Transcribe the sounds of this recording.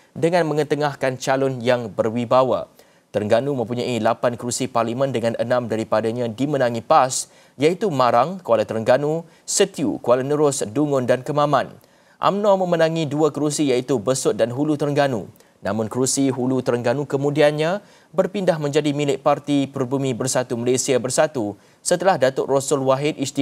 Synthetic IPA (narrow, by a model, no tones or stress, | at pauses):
dəŋãnmə̃ŋət̪əŋahkant͡ʃalʊnjaŋbərwibawa̰ | t̪əɾŋɡanumə̃mpuɲaʔilapankɾusiparlimə̃ndəŋãnʔənãmdaɾipadaɲãdimənãŋipas | jait̪umãɾaŋkəalat̪əɾəŋɡanu | sət̪iṵkəalanəɾʊsduŋʊndankəmãmãn | ʔa̰mnɔmə̃mənãŋĩduakɾusijait̪ubəsʊt̪̚danɦulut̪əɾəŋɡanṵ | namʊ̃nkɾusiɦulut̪əɾəŋɡanukəmũdianɲã | bərpindahmə̃ɲd͡ʒadimĩlɪʔ̚part̪ipəɾubumĩbərsat̪uməlesiabərsat̪u | sət̪əlahdat̪ʊʔrosʊlwaɦɪt̪̚ist̪i